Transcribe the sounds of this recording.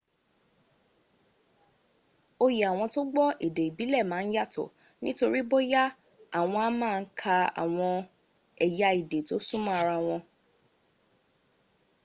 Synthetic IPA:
o˧ji˨a˨w̃ɔ̃˧to˦ɡ͡bɔ˦ʔi˨de˨i˨bi˨˦lɛ˦˨mãː˨˦n̩˦ja˦˨tɔ̰˨ | nĩ˦to˧ɾi˦bo˦ja˦ | a˦˨w̃ɔ̃˧a˦mãː˦˧n̩˦kʰa˧a̰˨w̃ɔ̃˧ | ɛ˨ja˧i˨de˨to˦sũ˦mã˦a˧ɾa˧w̃ɔ̃˧

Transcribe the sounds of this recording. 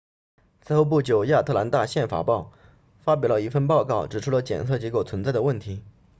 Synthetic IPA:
t͡sʰɹ̩˥xo˥ʊp̬u˥˩t͡ɕjo˨˩ʊja˥˧t̪ʰɤ˥˩la˧˥nt̪a˥˧ɕjɛ˥˩nfa̰˨˩pɑ˥˩ʊ | fa˥p̬jɑ˨˩ʊlə˦i˥˩fə˥˧npɑ˥˧ʊkɑ˥˩ʊʈ͡ʂɻ̩˨˩ʈ͡ʂʰu˥lə˧t͡ɕjɛ̰˨˩nt͡sʰɤ˥˩t͡ɕjɛ˧˥ko˥˩ʊt͡sʰə˧˥nt͡sa˥˩ɪd̪ə˩wə˥˩nt̪ʰi˧˥

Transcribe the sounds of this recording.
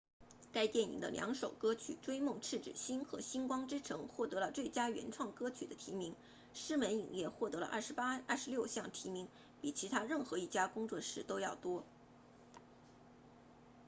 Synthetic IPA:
ka˥ɪt̪jɛ˥˩nḭ˨˩ŋd̪ə̰˦˧ljɑ̰˧˥ŋʂo˨˩ʊkɤ˥t͡ɕʰy̰˨˩ʈ͡ʂwe˥ɪmʊ˥˧ŋʈ͡ʂʰɻ̩˥˩ʈ͡ʂɻ̩˨˩ɕi˥nxɤ˧˥ɕi˥nkwɑ˥ŋʈ͡ʂɻ̩˥ʈ͡ʂʰɤ˧˥ŋxwɔ˥˩t̪ɤ˧˥lə˧t͡swe˥˩ɪt͡ɕja˥ɥɛ̰˧˥nʈ͡ʂʰwɑ˥˩ŋkɤ˥t͡ɕʰy̰˨˩d̪ə˦t̪ʰi˧˥mi˧˥ŋ | ʂɻ̩˥mə˧˥nḭ˨˩ŋjɛ˥˧xwɔ˥˩t̪ɤ˧˥lə̰˧ʔɐ˥˩ʂ̩˧˥pa˥ɐ˥˩ʂɻ̩˧˥ljo˥˧ʊɕjɑ˥˩ŋt̪ʰi˧˥mi˧˥ŋ | pi˨˩t͡ɕʰi˧˥t̪ʰa˥ɻə˥˩nxɤ˧˥i˥˩t͡ɕja˥kʊ˥ŋt͡swɔ˥˧ʂɻ̩˥˩t̪o˥ʊjɑ˥˩ʊt̪wɔ˥

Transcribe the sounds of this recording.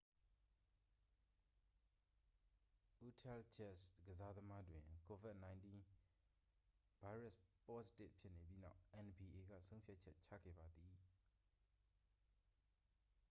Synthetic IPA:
ʔu˦tʰɛ˦˨lt͡ɕʰɛ˦˨sɡ̥əza˦d̪əma˦dwɪ̃˨ko˨vɪ˦t̚nã˨ɪ̃ntĩ˦ | v̥a˦ɪɹa˦˨spɔ˦si̥˦tɪ˦pʰjɪ˦ʔne˨bji˦na̰˦˨ʊʔɛ̃˨nbi˨ʔe˨ɡa̰˦˨sʰõ˦ʊ̃pʰja˦ʔ̚t͡ɕʰɛ˦ʔt͡ɕʰä̰˦˨ɡɛ̰˦˨ba˨d̪i˨

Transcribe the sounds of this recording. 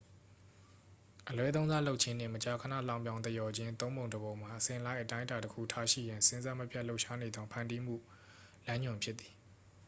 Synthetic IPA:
ʔəlwɛ˦t̪̬õ˦ʊ̃nza̰˦lo˦ʊʔ̚t͡ɕʰɪ̃˦n̥ɪ̰̃˦˨mət͡ɕa˨kʰə˨na̰˦˨lã˦˨ʊ̃mbjã˦ʊ̃nt̪ə˦˨jɔ˨d͡ʑɪ̃˦nt̪õ˦ʊ̃mbõ˨ʊ̃dəbõ˨ʊ̃m̥a˨ʔəsɪ̃˨ʔəla˦ɪʔətã˦ɪ̃nta˨təkʰṵ˦˨tʰa˦ʃḭ˦˨jã˨nsɪ̃˦nza˦mə˦pʰja˦ʔlo˦ʊʔʃa˦ne˨d̪ɔ˦pʰã˨ndi˦m̥ṵ˦˨ | lã˦ɲʊ̃˨mpʰjɪ˦t̪ːi̥˨

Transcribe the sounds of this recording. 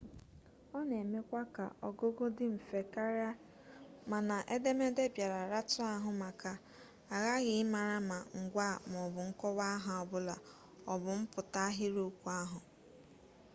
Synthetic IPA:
ɔ˦ne˨me˦kʷa˦ka̰˨ʔɔ˦ɡo˦ɡo˦dɪ˦m̩˨fe˨ka˦ɾja˦ | ma˨na˨ʔe˦de˦me˦de˦bja˨ɾa˨ɾa˦tʊ˦a˦ɦʊ˨ma˨ka˨ | a˨ɣa˦ɣɪ˨ɪ˦ma˨ɾa˦ma˨ŋ̩˨ɡʷa˦˨m˨ɔ˨bʊ˨ŋ̩˦kɔ˦wa˦ɦa˨ɔ˨bʊ˦la˨ | ɔ˨bʊ˨m̩˦pʊ˨ta˦ɦɪ˦ɾo˦kʷu˦a˦ɦʊ˨

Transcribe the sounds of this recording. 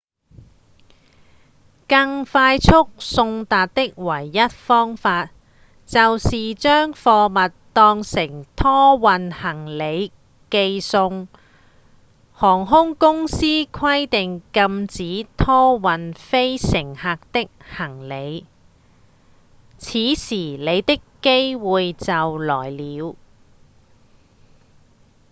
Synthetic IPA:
kɐ˧ŋfaː˧jt͡sʰʊ˥k̚sʊ˧ŋt̪aː˨t̚t̪ɪ˥k̚wɐ˨˩jːɐ˥t̚fɔː˥ŋfaː˧t̚ | t͡sɐ˨wsiː˨t͡ʃœː˥ŋfɔː˧mɐ˨tt̪ɔː˧ŋsɪ˨˩ŋt̪ʰɔː˥wɐ˨nhɐ˨˩ŋle˨˧j | ke˧jsʊ˧ŋ | hɔː˨˩ŋɦʊ˥ŋkʊ˥ŋsiː˥kʰɐ˥jt̪ɪ˨ŋkɐ˧mt͡siː˨˥t̪ʰɔː˥wɐ˨nfe˥jsɪ˨˩ŋhaː˨˧k̚t̪ɪ˥k̚hɐ˨˩ŋle˨˧j | t͡sʰiː˨˥siː˨˩le˨˧jt̪ɪ˥kːe˥jwuː˨˧jt͡sɐ˨wlɔː˨˩jliː˨˧w

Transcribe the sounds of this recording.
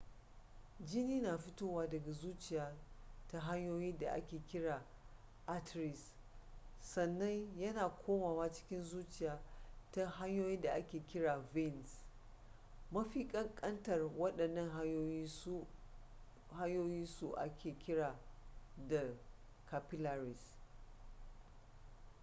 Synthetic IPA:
d͡ʒi˦niː˦naː˨ɸɪ˦toː˦waː˦dɐ˨ɡa˨zuː˦t͡ʃɪ˨jaː˦ta˦ɦa˦ɲjoː˦jiː˦da̰˨ʔa̰˦kʲeː˨kʲɪ˦ɽaː˨ | ʔa˦tɾɪ˨sː | ɐ˨nːɐ˦njɐ˦naː˨kʷʰoː˦maː˨waː˦t͡ʃɪ̥˦kʲɪ˦nzuː˦t͡ʃɪ˨jaː˨˦ta˦ɦa˦ɲjoː˦ji˦nda˨ʔa˦kʲeː˨kʲɪ˦ɽaː˨vɪ˦˨ns | mɐ˦ɸiː˦kʼɐ˦ŋkʼɐ˦ntɐ˨rwɐ˦ɗɐ˨nːɐ˦ŋ˦ | ha˦ɲjoː˦ji˦nsu˨ʔa̰˦kʲʰeː˨kʲɪ˦ɽaː˨da˨ | ka˨pɪ˦la˨ɾɪ˨s

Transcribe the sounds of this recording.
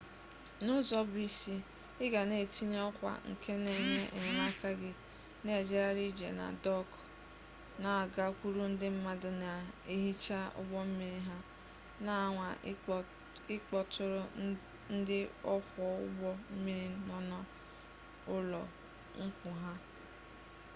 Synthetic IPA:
nʊ˦zɔ˦bi˦si˦ | ɪ˦ɡa˨ne˦˨ti˦ɲ˦ɔ˦kʷa̰˨ŋ̩˨kʰe˦ne˦ɲe˦ʔe˨ɲe˨na˦ka˦ɡɪ˦ | ne˦˨d͡ʒe˦ɾa˦ɾi˦d͡ʒḛ˨na̰˨dɔ˦k | na˨a˨ɡa˦kʷu˦ɾu˦n̩˦dɪ˦m̩˦ma˦dʊ˦na˨e˦ɦi˦t͡ʃa˦ʊ̰˦ɡ͡bɔ˦m̩˦mi˦ɾi˦ɦa˦ | na˨ŋʷa˨ | ɪ˦k͡pɔ˨tʰʊ˨ɾʊ˦ | n̩˦dɪ˦ɔ˦kʷɔ˨˦ʊ̰˦ɡ͡bɔ˦m̩˦mi˦ɾi˦nɔ˦nɔ˦ | ʊ˦lɔ˨ | ŋ̩˦kʷʊ˨ɦa˦

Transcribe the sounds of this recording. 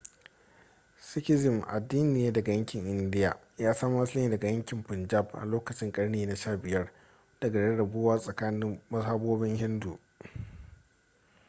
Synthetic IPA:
sɪ˦kʲɪ˦zɪ˨mʔa̰˨dːiː˦nɪ˨jeː˦dɐ˨ɡa˨jɐ˦ŋkʲɪ˨ŋʔɪ˨ndɪ˦ja̰˨ | jaː˦sɐ˦mː˦ɐ˦sɪ˦iː˨dɐ˨ɡa˨jɐ˦ŋkʲɪ˨mpɪ˨nd͡ʒa˦˨bʔa̰˨loː˦kɐ˨t͡ʃɪ˦ŋkʼɐ˦ɽneː˨na˨ʃaː˦˨bɪ˨jɐ˦r | d̥ɐ˨ɡa˨ɽɐ˦ɽɐ˨boː˦waː˦sʼɐ˨kaː˦nɪ˦mmɐ˦saː˦boː˦bɪ˦ŋhɪ˦ndu˨

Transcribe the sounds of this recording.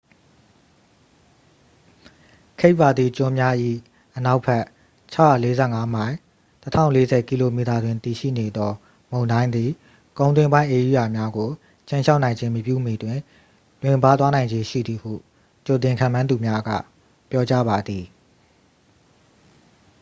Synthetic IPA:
kʰe˦ɪʔpːa˨d̪ði˨t͡ɕʊ̃˨mja˦ʔḭ˦˨ | ʔəna˦ʊpʰɛ˦ʔ | t͡ɕʰa˦ʊja̰˦˨le˦zɛ̰˦˨ŋa˦m̥ã˨ɪ̃ | tətʰã̰˦˨ʊ̃le˦zɛ˨ki˦lo˨mi˨ta˨dwɪ̃˨nt̪i˨ʃḭ˦˨ne˨d̪ɔ˦ | mõ˨ʊ̃ndã˦ɪ̃nd̪ði˨ | kõ˨ʊ̃ntwɪ̃˦mbã˦ɪ̃ʔe˨ju˦˨ja˨mja˦ɡo˨ | t͡ɕʰẽ˦ʃʰa˦ʊʔnã˨ɪ̃ɲd͡ʑɪ̃˦məpjṵ˦˨mi˨twɪ̃˨ | lwɪ̃˨mba˦t̪wa˦nã˨ɪ̃ɲd͡ʑe˨˦ʃḭ˦˨d̪i˨hṵ˦˨ | t͡ɕo˨t̬ɪ̃˨ŋkʰã̰˦˨mã˦nd̪u˨mja˦ɡa̰˦˨ | pjɔ˦t͡ɕa˦ba˨d̪i˨

